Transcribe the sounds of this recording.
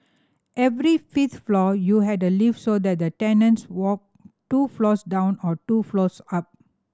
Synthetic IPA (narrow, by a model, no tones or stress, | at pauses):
ʔɛvɾifit̪flɔjuɦɛdəlifsod̪ɛt̚d̪ətɛnə̃nswɔk̚ | tuflɔsdãʊ̃nɔtuflosap̚